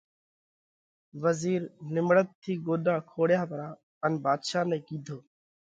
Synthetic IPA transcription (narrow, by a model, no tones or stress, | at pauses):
ʋəziːɾnɪmɽət̪ʰːiːɡoːɗ̪aːkʰoːɽjaːpəɾaː | ənbaːd̪ʃaːnɛ̃ːkiːd̪ʱoː